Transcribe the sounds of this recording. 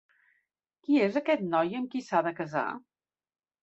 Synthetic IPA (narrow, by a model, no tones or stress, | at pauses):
kiezəkɛt̪nɔjəmkisaðəkəza̰